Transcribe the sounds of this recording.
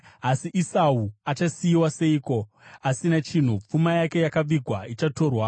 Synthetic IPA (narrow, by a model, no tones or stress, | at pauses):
asiʔisauat͡ʃasijiwase̞iːko̞ | asinat͡ʃin̤up͡fumajake̞jakaʋiɡʱwait͡ʃato̞rwa